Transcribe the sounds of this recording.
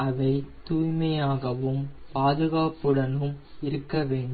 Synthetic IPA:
ɐʋɐɪt̪uːjmɐjaːɣɐʋɯmpaːðɯɣaːpɯɽɐnɯmɪɾɯkːɐʋeːɳɖɯ

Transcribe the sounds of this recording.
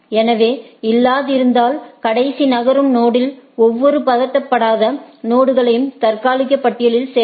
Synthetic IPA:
ɛnɐʋeːɪlːaːðɪɾɯnd̪aːlkɐɽɐɪsinɐɣɐɾɯmnoːɽɪlɔʋːɔɾɯpɐðɐʈːɐpːɐɽaːðɐnoːɽɯɣɐɭɐjɯmt̪ɐɾkaːlɪɣɐpːɐʈːɪjɐɭɪlseː

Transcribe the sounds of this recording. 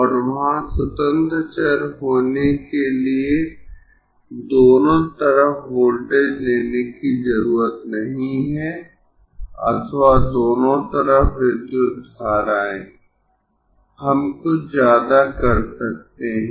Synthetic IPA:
ɔːɾʋɐɦãsʊt̪ə̃nd̪ʱət͡ʃəɾɦoːnekelie | d̪oːnõt̪ɐɾəfʋoːlɖed͡ʒleːnekizɐɾuːɾət̪nɐɦĩɦɛ | ɐ̰t̪ʰwad̪oːnõt̪əɾəfʋɪd̪jʊt̪baːɾaːḛ̃ː | hɐmkozjaːd̪akɐɾsɐk̚t̪eɦɛ̃

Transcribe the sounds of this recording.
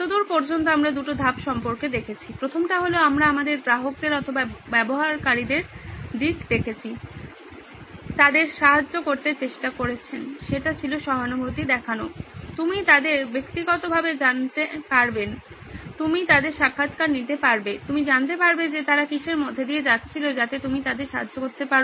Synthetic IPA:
t̪od̪uɾpoɾd͡ʑont̪̬oamɾad̪uʈod̪ʱabʃɔmpoɾked̪ekʰet͡ɕʰipɾot̪ʰomʈaɦoleoamɾaamad̪eɾpɾaɦok̚d̪eɾɔt̪ʰobabɛboɦaɾkaɾid̪eɾd̪ikd̪ekʰet͡ɕʰi | t̪ad̪eɾʃaɦad͡ʑːokoɾt̪eɾt͡ɕeʃʈakoɾet͡ɕʰenʃeʈat͡ɕʰiloʃɔɦanobʱot̪id̪ɛkʰanot̪umit̪ad̪eɾbekt̪iɡɔt̪obʱabed͡ʑant̪epaɾben | t̪umit̪ad̪eɾʃakʰːat̪kaɾnit̪epaɾbet̪umid͡ʑant̪epaɾbed͡ʑet̪aɾakiʃeɾmod̪ʱːed̪ied͡ʑatːɕʰilod͡ʑat̪et̪umit̪ad̪eɾʃaɦad͡ʑːokoɾt̪epaɾ

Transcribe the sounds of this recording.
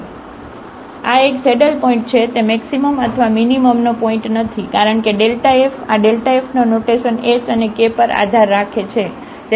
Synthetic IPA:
aekseɖəlpɔĩɳʈ̚t͡ʃʰet̪emɛksiməmət̪ʰʋaminiməmnopɔĩɳʈnət̪ʰikaɾəɳkeɖelʈaefaɖelʈaefnonoʈeʃənesənekepəɾa̰d̪ʱaɾːakʰet͡ʃʰe | t̪

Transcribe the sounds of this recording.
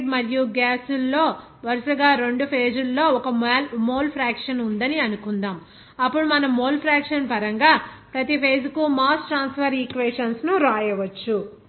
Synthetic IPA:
ɖmɐɾjuɡaːsulːo̞ː | ʋɐɾusɐɡaːɾe̞ɳɖupʰeːd͡ʒulːo̞ːɔkɐmːmoːlpʰɾaːkʂɐnund̪ɐniɐnukund̪aːm | ɐpːuɽumɐnɐmːoːlpʰɾaːkʂɐnpɐɾɐŋɡaːpɾɐt̪ipʰeːd͡ʒukumaːsʈɾaːnspʰɐɾikʋeːʂɐnsnuɾaːjɐʋɐt͡ʃːu

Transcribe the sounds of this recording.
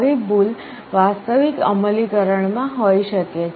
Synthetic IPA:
ibul | ʋast̪əʋikə̰məlikəɾəɳmãɦoiʃəke

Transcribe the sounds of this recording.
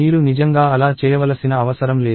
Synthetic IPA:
iːɾunid͡ʒɐŋɡaːɐlaːt͡ʃɛːjɐʋɐlɐsinɐːʋɐsɐɾɐmleː

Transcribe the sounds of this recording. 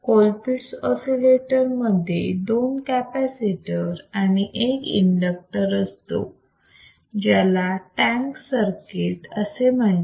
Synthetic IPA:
kolpiʈsɔsileʈəɾməd̪ʱjḛd̪onkæpæsiʈəɾañiʔekḭɳɖək̚ʈəɾəst̪o̰ | d͡ʑɛlaʈæ̃ŋksəɾkeʈə̰sem̤əɳ

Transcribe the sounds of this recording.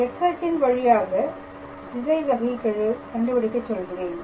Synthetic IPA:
ɛʈsɐɾʈːɪnʋɐɻɪjaːɣɐ | dɪsɐɪsɐɣɪkːɐɻɯkɐɳɖɯpɐɽɪkːɐt͡ʃːɔlɣɪreːn

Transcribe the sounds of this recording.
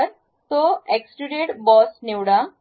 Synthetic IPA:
əɾ | t̪oeksʈiɾeʈbɔsnewɽa

